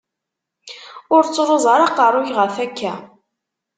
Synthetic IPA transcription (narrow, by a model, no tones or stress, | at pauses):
ʊɾt͡sːɾˤozˤəɾˤɑqɑrˤːʊçʁəfækːæ